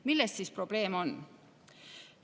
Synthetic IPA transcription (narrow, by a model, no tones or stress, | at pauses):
milːest̪sispro̞b̥le̞ːmo̞n